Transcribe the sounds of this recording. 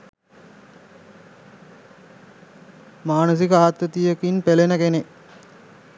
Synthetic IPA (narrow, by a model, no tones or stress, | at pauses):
maːnus̬ikəaɦat̪ʋət̪ijəkinpelenəkene